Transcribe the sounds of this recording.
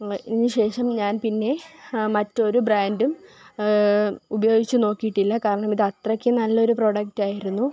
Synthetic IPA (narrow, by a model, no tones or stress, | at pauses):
inːɨɕe̞ːʂɐmɲaːnpinːe̞mɐtːo̞ɾubraːndum | ubɐjo̞ːɡit͡ɕːɨno̞ːkːijiʈːilːɐkaːɾɐɳɐmiðɨɐt̪rɐkʲːɨnɐlːɐo̞ɾupro̞ːɽɐktaːjiɾunːu